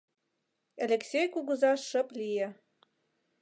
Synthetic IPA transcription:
alʲeksʲejkuɣɤ̆zɑʃəplijĕ

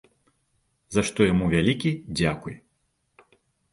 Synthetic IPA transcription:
zaʂt̪ɔjamuvʲalʲikʲid͡zʲakuj

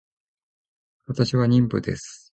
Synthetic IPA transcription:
βat̪aɕiβaɲ̟ĩmpɯ̟̰d̪e̞̰sɨ̥

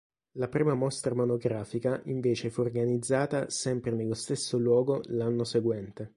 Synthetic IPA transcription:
lapɾiːmamɔst̪ɾamonoɡɾaːfikaʔiɱveːt͡ʃefuorɡanid̪zːaːt̪asɛmpɾenelːost̪esːolwɔːɡolanːoseɡwɛnt̪e

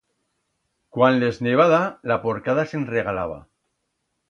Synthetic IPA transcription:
kwanlezneβ̞aðalapo̞ɾkaðasenre̞ɣ̞alaβ̞a̰

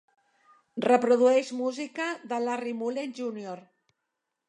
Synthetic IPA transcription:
rəpɾoðuɛʃmuzikaðalarimulenʒunijoɾ

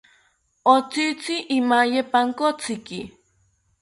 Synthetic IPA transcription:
ot͡sit͡siʔːmajepaŋkot͡sɪki

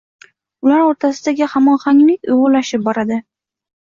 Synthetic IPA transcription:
ʊlaɾoɾt̪ʰasɪd̪aɡʲɪhamɒnχaŋlɪkʲʊ̰jʁʊɾlaʃɪp̚bɒɾad̪ɪ

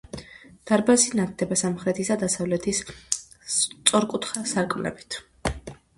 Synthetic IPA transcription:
d̪̥aɾbazinat̪̚d̪ɛbasamχɾɛt̪ʰisad̪asavlɛt̪ʰis | t̪sʼɔɾkʼut̪ʰχasaɾkʼmnɛ̰bit̪ʰ

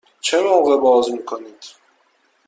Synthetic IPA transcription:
t͡ʃʰemoːɣe̞bɒːzmiːkʰoniːd̪̥

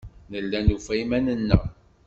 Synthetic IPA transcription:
nəlːænufæjmænənːə̰ʁ

